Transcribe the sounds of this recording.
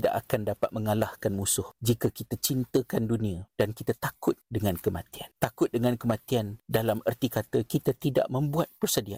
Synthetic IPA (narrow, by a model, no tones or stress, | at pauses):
da̰ʔakandapat̪̚məŋalahkanmusʊhd͡ʒikakit̪at͡ʃint̪əkandunĩad̥ankit̪at̪akʊt̪̚dəŋãnkəma̰t̪iant̪akʊt̪̚dəŋãnkəmãt̪iandalamərt̪ikat̪akit̪at̪ida̰ʔmə̃mbuat̪̚pərsədia̰